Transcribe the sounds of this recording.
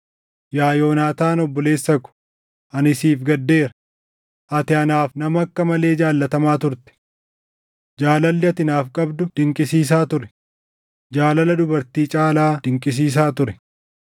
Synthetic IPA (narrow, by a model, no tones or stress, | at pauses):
jaːjo̞ːnaːt̪aːnɔbːɔle̞ːsːɐkʊ̥ | ʔɐnɪsiːfɡɐd̪ːe̞ːɾɐ | ʔɐt̪ɪɐnaːfnɐmɐɐkːɐmɐle̞ːd͡ʒaːlːɐt̪ɐmaːt̪ʊɾt̪ɛ̥ | d͡ʒaːlɐlːɪɐt̪ɪnaːfkʼɐbd̪ʊd̪̥ɪŋkʼɪsiːs̬aːt̪ʊɾɛ̥ | d͡ʒaːlɐlɐd̪ʊbɐɾt̪iːt͡ʃʼaːlaːd̥̪ɪŋkʼɪs̬iːs̬aːt̪ʊɾɛ